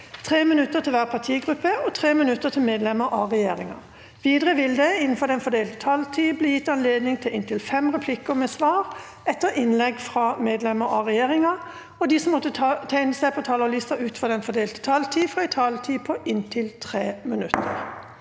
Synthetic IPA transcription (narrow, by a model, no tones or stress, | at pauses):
t̪ʰʁeːmɪnʉt̪ːəʁt̪ʰɪlʋæːʁpʰɑt̪ʰiːɡʁʉpːəɔt̪ʰʁeːmɪnʉt̪ːət̪ʰɪlmeːd̪lɛməɾʔɑʁɛjeːʁɪŋɑ̰ | ʋiːd̪ʁəʋɪld̪əɪnn̩fɔʁd̪ɛnfɔd̪eːlt̪ət̪ʰɑlt̪ʰiːbliːjɪt̪ːɑnleːd̪nɪŋt̪ʰɪlɪnt̪ɪlfɛmʁɛpʰlɪkʊmɛsʋɑːʁ | ɛt̪ːəʁʔɪnlɛɡfʁɑmeːd̪lɛməɾɑʁɛjeːʁɪŋɑ | ɔd̪iːsɔmːɔt̪ːət̪ʰæɪnəsæɪpʰɔt̪ʰɑːlɔliːst̪ɑʔʉːt̪nfɔd̪ɛnfɔd̪eːlt̪ə̥t̪ʰɑlt̪ʰiːfɾɑɛɪt̪ʰɑːlt̪ʰiːpʰɔʔɪnt̪ʰɪlt̪ʰʁeːmɪnʉt̪ʰːə̰ʁ